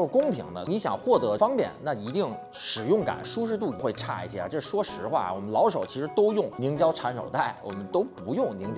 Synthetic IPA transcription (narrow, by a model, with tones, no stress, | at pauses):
o˥˩kʊ˥ŋpʰi˧˥ŋd̪ə̰˧ni˧˥ɕjɑ˨˩ŋxwɔ˥˩t̪ɤ˧˥fɑ˥ŋpjɛ˥˩nna˥˩i˧˥t̪i˥˩ŋ | ʂɻ̩˨˩jʊ˥˩ŋka̰˨˩˦nʂu˥ʂ̬ɻ̩˥˧t̪̬u˥˩˧xwe˥˧ɪʈ͡ʂʰa̰˥˧ḭ˥˩ɕjɛ̰˥˧ʈ͡ʂɤ˥˩˧ʂwɔ˥ʂɻ̩˧˥xwa̰˥˩wɔ˨˩mə˦nlɑ˧˥ʊʂo˨˩ʊt͡ɕʰi˧˥ʂɻ̩˧˥t̪o˥ʊjʊ˥˩ŋni˧˥ŋt͡ɕjɑ˥ʊʈ͡ʂʰa˧˥nʂo˨˩ʊt̪a˥˩ɪwʔɔ̰˨˩mə˦nt̪o˥ʊpu˧˥jʊ˥˩ŋni˧˥ŋ˥